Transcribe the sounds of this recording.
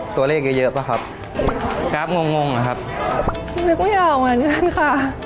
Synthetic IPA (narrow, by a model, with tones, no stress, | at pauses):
t̪u˧ɐleː˥˩k̚jaː˧˩jɤ˦˥ʔpʰa˦˩kʰa˦˥p̚ | kaː˦˥p̚ŋo˧ŋːo˧ŋa˧˩kʰa˦˥p̚ | me˧˥˩ku˥˩jaː˧˩˨ŋaː˧˩nka˧˥˩nkʰa˥˩